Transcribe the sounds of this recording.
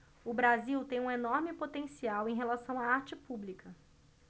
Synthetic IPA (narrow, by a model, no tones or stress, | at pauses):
ʊbɾaziwt̪ẽj̃ũenɔɾmɪpot̪ẽsiawẽj̃ɦelasɐ̃w̃aaɾt͡ʃɪpublikʰɐ